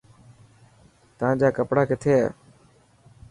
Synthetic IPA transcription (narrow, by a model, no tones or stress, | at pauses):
t̪əãːd͡ʒaːkəpɽaːkɪt̪ʰeːa